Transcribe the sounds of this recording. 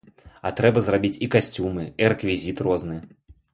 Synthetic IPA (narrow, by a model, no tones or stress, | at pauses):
ɐt̪ɾɛbɐzrabʲit͡sʲikasʲt͡sʲumɨiɾɛkvʲizʲit̪rɔznɨ